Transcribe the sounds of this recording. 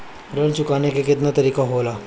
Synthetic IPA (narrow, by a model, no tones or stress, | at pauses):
ɾəlt͡ʃʊkaːnekekɪt̪nat̪ɐɾiːkaɦoːlaː